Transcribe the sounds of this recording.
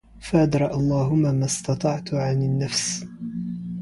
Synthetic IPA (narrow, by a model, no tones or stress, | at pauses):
faʔad̪ɾˤɑʔɑlˤːɑːɦʊmːaːmast̪ɑt̪ˤɑʕt̪ʕanɪnːafs